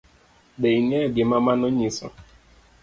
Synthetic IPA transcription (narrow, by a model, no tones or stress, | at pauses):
ɗeiŋeɡɪmamanʊɲisɔ̰